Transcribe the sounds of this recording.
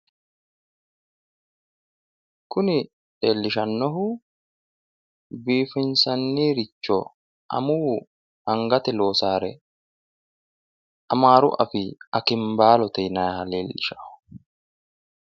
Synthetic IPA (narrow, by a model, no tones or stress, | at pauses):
kʊnɪ | ᶑe̞ːlːɪʃɐnːɔɦʊ | biːfɪnsɐnːiːɾɪt͡ʃːɔ | ʔɐ̰muː | hɐŋɡɐt̪ɛloːsaːɾɛ | ɐmaːɾʊ̰ʔɐ̰fɪɐkɪmbaːlɔt̪ɛjnɐjɐleːlːɪʃḁ